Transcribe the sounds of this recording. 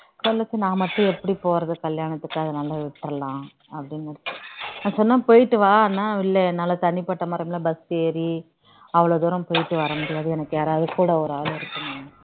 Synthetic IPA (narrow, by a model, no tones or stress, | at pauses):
sɔlːɯt͡ʃːɯnãːmɐʈːʊ̃ɛpːɐɽipoːɾɐðɯkɐljaːnɐt̪ːɯkːɐðɯnɐlːɐʋɪʈːɾɐlːãː | ɐpːɐɽɪnɡɐɽɐːɯnãːsɔnːãːpoːjɪʈːɯʋaːɾnːaːɪlːɐnːaːlɐt̪ɐɳːɪpɐʈːɐmɐɾɐmɪlɐbɐsteːɾi | ɐʋɐɭod̪uːɾɐmpoːjɪʈːɯʋɐːɾɐmʊɽɪjaːðɯɛnɐkːɯeːɾaːðɯkːuːɽɐɔɾaːlɪɾɯkːɯŋɐ